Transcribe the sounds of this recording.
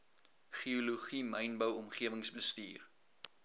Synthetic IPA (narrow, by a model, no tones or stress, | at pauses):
χioluχiməjnbəwɔmχiəvəŋsbəstḭːr